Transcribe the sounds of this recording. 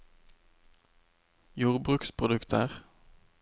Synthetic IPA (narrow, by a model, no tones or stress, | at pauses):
juːʁbʁʉːkspʰʁʊd̪ʉkt̪ʰəʁ